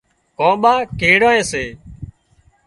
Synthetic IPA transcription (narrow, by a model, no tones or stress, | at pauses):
kõːɓaːkeːɽãːẽːseː